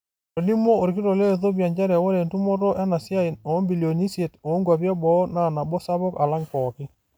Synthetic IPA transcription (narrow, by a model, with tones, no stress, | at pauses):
tɔ˨ni˦mo˦o˨ɾki˦ɾo˨le˦˨ðo˦pja˨ɲd͡ʒa˦ɾɛ˨wo˦ɾe˨ntu˦mɔ˦ɾɔ˦ʔɛ˦na˨sja˦i˨ɔ˨˦mbi˨lio˨ni˦sje˨toː˨˦ŋɡwa˨pjɛ˦bɔ˨˦na˨na˨bo˦sa˦βɔ˦ka˨la˦ŋkɔ˨kɪ˦